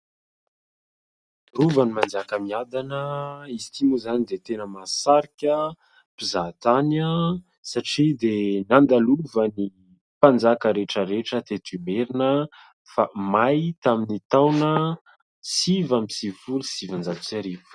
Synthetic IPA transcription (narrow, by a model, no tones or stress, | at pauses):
ruvanimand͡zakəmiad̪anəizi̥t̪imuzanid̪et̪enəmasaɾikʲə | pizat̪anə | saʈ͡ʂid̪enand̪aluvəni | pand͡zakəɾeʈ͡ʂəɾeʈ͡ʂət̪et̪ymeɾinə | famajt̪aminit̪awnə | sivamisifulusivand͡zat̪u̥saɾivu̥